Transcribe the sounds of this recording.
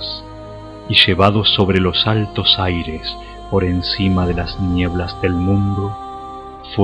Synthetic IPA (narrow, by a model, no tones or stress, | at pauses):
s | iʃe̞βað̞o̞so̞βɾe̞lo̞salt̪o̞sajɾe̞s | po̞ɾe̞nsimaðe̞laznje̞βlazðe̞lmũnd̪o | f